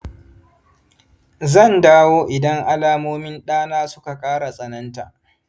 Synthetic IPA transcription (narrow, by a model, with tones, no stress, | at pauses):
zɐ˦˨ndaː˦woː˦ʔɪ˨dɐ˦ŋʔa˦laː˦moː˦mɪ˦nɗaː˦naː˦sʊ˦ka˨kʼaː˦ɽa˨sʼɐ˨nɐ˦nta̰ː˨ʔ